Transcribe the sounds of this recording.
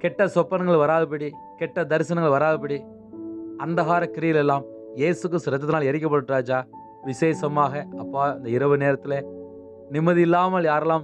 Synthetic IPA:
kɛʈːɐsɔpːɐnɐŋɡɐɭʋɐɾaːðɯp̬ɐɽi | kɛʈːɐd̪ɐɾɪsɐnɐŋɡɐɭʋɐɾaːðɯpːɐɽi | ɐnd̪ɐɣaːɾɐkːɪɾɪjɪlɛlːaːm | jeːsɯk̬ːɾɯst̪ɯɾɐɛt̪ːɐt̪ɪnaːlɛɾɪk̬ʲːɐpːɐɽɯʈːɾaːd͡ʒaː | ʋɪseːsɐmaːɣɐɐpːaːɐnd̪ɐɪɾɐʋɯneːɾɐt̪ːɪle | nɪmːɐðɯɪlːaːmɐljaːɾɛlaːm

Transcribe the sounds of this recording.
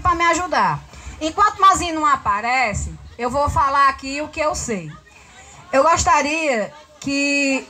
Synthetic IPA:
pɾɐmɪaʒud̪aɾẽkwɐ̃t̪ʊmazĩnɐ̃w̃apaɾɛsɪewvofalaɾakiʊkɪewsej | ewɡoʃt̪aɾiɐ | kɪ

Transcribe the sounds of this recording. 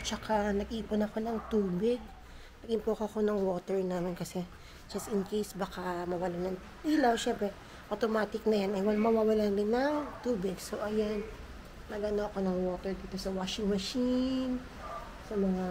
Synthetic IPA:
t͡ʃɐkanɐɡʔiːpʊnɐko̞nɐŋt̪uːbɪɡ̚ | nɐɡɪmpokoɐko̞nɐŋwo̞ːt̪ɛɹnaːmɪnkɐsɛ | d͡ʒɐsɪnkejsbɐkamɐwɐlanɐŋ | ʔilawʃɛmpɛ | ʔot̪omaːt̪ɪk̚nɐjanɐjwamɐwawɐlalɪnɐŋt̪uːbɪɡsoʔɐjanː | ɐɡɐnoʔɐko̞nɐŋwo̞ːt̪ɛɹd̪iːt̪o̞sɐwaːʃɪŋmɐʃin | sɐmɐŋa

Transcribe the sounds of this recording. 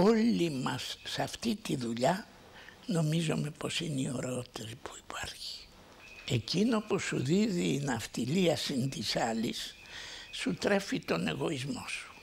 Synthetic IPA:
o̞limɐsːɐft̪it̪iðuʎɐ | no̞mizo̞me̞po̞sinio̞ɾeott̪espuipʰɐɾçi̥ | e̞cino̞pusuðiðiːnɐft̪iliɐsint̪isɐlisː | ut̪ɾe̞fit̪o̞ne̞ɣo̞izmo̞su̥

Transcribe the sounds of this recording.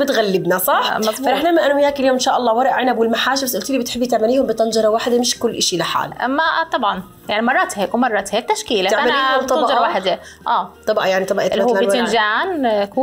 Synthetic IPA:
bɪt̪ɣælːɪbnæsˤɑħmɑt̪ˤbfæɾˤɑħlamːæʔænmjhaːkɪljoːmɪnʃaːʔɑlˤːɑːwɑɾˤɑʔʕenæbwɪlmaħaːʃbæsʔʊlt̪iːiːbɪt̪ħebːit̪aʕmæliːhʊmbɪt̪ɑnd͡ʒɑɾˤɑwaːħd̪æmɪʃkʊlːʔɪʃilɪħa̰ːlʔmt̪ˤɑbʕɑn | jaʕnimɑrˤːɑt̪hakuːnmɑrˤːɑt̪hæt̪ːæʃkiːlt̪aʕmæliːʊmt̪ˤɑnbʔʒɑwaːħd̪ | ʔæːt̪ˤɑbʔɑjaʕnit̪ˤɑbʔt̪lːaɪnd͡ʒaʕnku

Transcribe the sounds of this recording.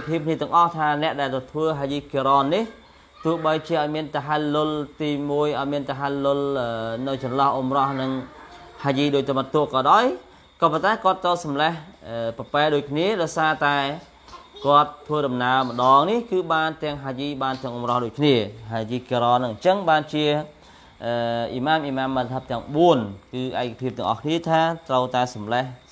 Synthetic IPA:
pʰiəp̚kʰniət̪ɛ̆əŋʔɑht̪ʰaːnɛ̆əʔɗaɛlt̪ət̪ʰʋəːɦaːjiːkiɾɑːnːih | t̪ʊ̆əhɓəjt͡ɕiəʔaɔjmiənt̪ɛɦallːʊlt̪iːmuəjʔɑɔjmiənt̪ɛɦallːʊlʔəːnɨwt͡ɕɑnlɑhʔumrɑhnɨŋ | haːjiːɗoːc̚t̪umət̪ːʊ̆əʔkɑːɗaɔj | kɑːpont̪aɛkŏət̪̚ːəwsɑmlɛhʔəːpɑpɛːɗoːc̚kʰniəɗaɔjsaːt̪aɛ | kŏət̪ʰːʋəːɗɑmnaəmə̆ɗɑːŋnihkɨːɓaːnt̪ɛ̆əŋɦaːjiːɓaːnt̪ɛ̆əŋʔumrɑhɗoːc̚kʰniəɦaːjiːkiɾɑːnɨŋɲt͡ɕəŋɓaːnt͡ɕiə | ʔəːʔiːmaːmʔiːmaːmːəlt̪ʰəp̚t̪ɛ̆əŋɓuənkɨːʔaɛkapʰiəp̚t̪ɛəŋʔɑ̰hkʰniət̪ʰaːt̪rəwt̪aɛsɑmlɛh

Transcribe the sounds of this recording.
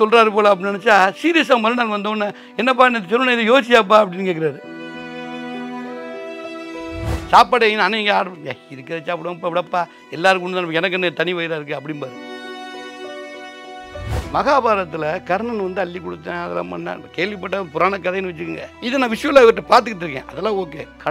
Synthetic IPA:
sɔlɾaːɾɯpoːlaɐp̬ːɐɽinɐnɛt͡ʃːaːsiːɾis̬aːmɐlɯnaːlʋɐnd̪oːnːaː | ɛnːɐp̬aːnðt͡ʃɛɾːɯnaːɪðɯjoːt͡ʃːɪjaːp̬ːaːɐp̬ːɐɽɪnːkeːk̬ːɪɾaːɾɯ | saːpːɐɽɐnɐnːɐ̃ɛŋɡɐaːɽaɪɾɯkːɯɾɐt͡ʃaːpːɐɽɐpːaːʋɪɽɐpːaː | ɛlːaːɾɯkʊɳːɯðãːnɐpːkɛnɐk̬ːɛnːɐt̪ɐɳiʋɐɪɾaːɪɾɯkːɯɐpːɐɽɪnpaːðɯ | mɐɣaːbaːɾɐt̪ːɪlɐkɐɾɳɐnʋɐnd̪ɯɐlːikːɔɽɯt̪ːɛ̃ːɐðɐlːã̰ːmɐ̰nːa̰ːkeːɭʋipːɐʈːaːpʊɾaːnɐkːɐðɐjɐnːɯʋɐt͡ʃːɯkːɯŋɡɐ̰ɪðɯnãːʋɪʂɐjɔ̃lːaːɪʋɐʈːɐpaːɾt̪̬ɯkːɯʈːɾɯk̬ːḛ̃ːʔɐðɐlːãːoːkːḛːkɐ

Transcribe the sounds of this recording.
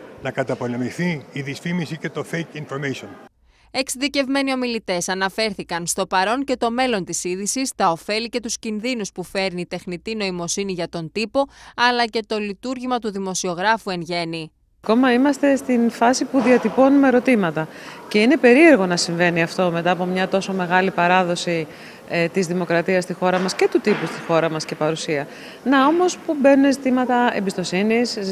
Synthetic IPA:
nɐkɐt̪ɐpo̞le̞miθiːðisfimisice̞t̪o̞fejkinfoɾmejson | e̞ksiðice̞vme̞nio̞milit̪e̞sɐnɐfe̞ɾθikɐnst̪o̞pɐɾo̞ɲce̞t̪o̞me̞lo̞nt̪isiðisist̪ɐo̞fe̞lice̞t̪uscinðinuspufe̞ɾnit̪e̞xnit̪ino̞imo̞siniʝɐt̪o̞nt̪ipo̞ɐlɐce̞t̪o̞lit̪uɾʝimɐt̪uðimo̞sio̞ɣɾɐfue̞nʝe̞ni | ɐko̞mɐimɐst̪e̞st̪infɐsipuðiɐt̪ipo̞numeɾo̞t̪imɐt̪ɐ | ce̞ine̞pe̞ɾie̞ɾɣo̞nɐsiɱve̞niɐft̪o̞me̞t̪ɐːpo̞mɲɐt̪o̞so̞me̞ɣɐlipɐɾɐðo̞si | t̪izðimo̞kɾɐt̪iɐst̪ixo̞ɾɐmɐsce̞t̪ut̪ipust̪i̥xo̞ɾɐmɐsce̞pɐɾusiɐ | nɐo̞mo̞spube̞nunezit̪imɐt̪ɐḛmbist̪o̞sinis

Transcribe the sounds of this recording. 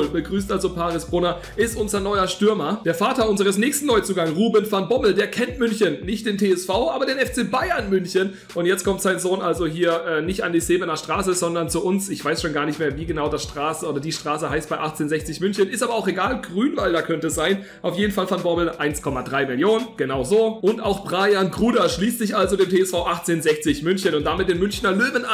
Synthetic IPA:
lbəɡʁyːstʔalzopʰaːʁɪsb̥ʁʊnɐ | ʔɪstʔʊnzɐnɔʏɐʃtʏɐmɐd̥eːɐfaːtɐʊnzəʁ̞əsnɛːçstn̩ːɔʏt͡suːɡaŋʁuːbɪnfanbɔbl̩deːɐkʰɛntmʏnçənːɪçtd̥eːntʰeːɛsfaʊʔaːbɐdeːnɛft͡seːbaɪɐnmʏnçən | ʔʊntjɛt͡stkʰɔmtz̥aɪnzoːnʔalzoɦiːɐʔɛːnɪçta̰ndiːzeːbənɐʃtʁ̥aːsəzɔndɐnt͡suʔʊnsɪçv̥aɪsʃoːnɡaːɐnɪçtmeːɐviːɡənaʊdasʃtʁ̥aːsəʔoːdɐdiːʃtʁ̥aːsəɦaɪst̚b̥aɪʔaχt͡seːnzɛçt͡sɪçmʏnçənɪstaːbɐaʊxeɡaːlɡʁyːnvaldakʰœntəɛsz̥aɪn | ʔaʊfjeːdn̩falfɔnbɔɐbəl̩ʔaɪnskʰɔmadʁaɪmɪljoːnənɡ̥ənaʊzoːʔʊntʔaʊxb̥ʁaːjanɡʁuːdɐʃliːstz̥ɪçʔalzodeːmtʰeːɛsfaʊʔaχt͡seːnzɛçt͡sɪçmʏnçənʊntd̥amɪt̚d̥eːnmʏnçnɐløːvəna

